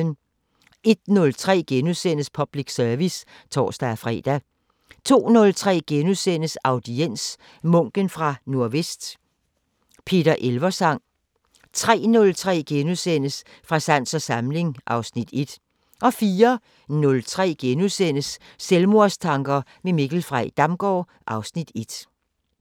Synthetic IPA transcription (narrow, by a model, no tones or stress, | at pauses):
n | e̝d̥̚nɔ̽lt͡sʰʁɛ̰ːɡ̥enusen̰əspʰɒ̽b̥liɡ̥sœɐʋis | t͡sʰɒ̰ːsd̥æfʁɛ̰ːd̥æ | t͡sʰo̝̰ːnɔ̽lt͡sʰʁɛ̰ːɡ̥enusen̰əsʔɑ̈ʊd̥ien̰s | mɔ̽ŋ̰ɡ̥ənfʁɑ̈no̝ɐ̰ʋesd̥ | pʰe̝̰ːd̥ɐʔelʋɐsɑ̈ŋ̰ | t͡sʰʁɛ̰ːnɔ̽lt͡sʰʁɛ̰ːɡ̥enusen̰əs | fʁɑ̈sæn̰sɒ̽sɑ̈mle̝ŋʔɑ̈ʊsnid̥e̝d̥ | ʔɒ̽fiːɐ | nɔ̽lt͡sʰʁɛ̰ːɡ̥enusen̰əsː | elmo̝ɐ̰st͡sʰɑ̈ŋɡ̥ɐmemeɡ̥l̩fʁaɪd̥ɑ̈mɡ̥ɒː | ʔɑ̈ʊsnid̥e̝d̥